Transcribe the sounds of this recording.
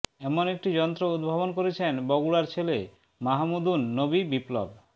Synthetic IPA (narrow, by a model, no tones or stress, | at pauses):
ɛmonek̚ʈid͡ʑɔnt̪ɾoud̪̚bʱabonkoɾet͡ɕʰenbɔɡuɽaɾt͡ɕʰele | maɦmud̪unːobibiplo̰b